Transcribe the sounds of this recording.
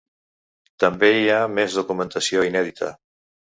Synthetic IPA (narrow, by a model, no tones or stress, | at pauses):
t̪ambeiamezðokumẽnt̪asjoinɛðit̪ɐ̰